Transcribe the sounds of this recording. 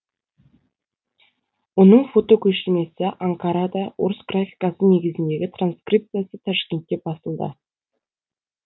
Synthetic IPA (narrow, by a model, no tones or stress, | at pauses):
wonəɴfo̞t̪o̞kʲʰɵʃɪɾme̞sɪʔaŋkaɾad̪ɑwoɾəsɡrafʲijkasəne̞ɡʲɪzɪnd̪e̞ɡʲɪt̪ʰranskrijp̚t̪sɨjasət̪ʰɑʃkʲe̞nt̪̚kʲːe̞bɑsəlˠd̪ə̰